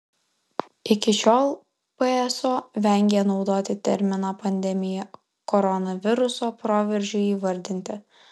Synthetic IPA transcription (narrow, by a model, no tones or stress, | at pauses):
ɪkʲɪʃʲoːlˠ | pɛɛsoːʋʲɛŋʲɡʲɛnɒʊd̪oːt̪ʲɪt̪ʲɛɾʲmʲɪnaːpɐnʲd̪ʲɛmʲɪjɛ | kɔɾɔnɐʋʲɪɾʊsoːpɾoːʋʲɛɾʲʒʲʊiːʋɐɾʲd̪ʲɪnʲt̪ʲɪ